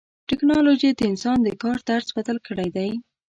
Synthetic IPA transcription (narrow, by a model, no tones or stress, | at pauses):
ʈɪknɑloʒid̪əɪnsɑnd̪əkɑɾd̪aɾzwat̪əlkəɽajd̪aj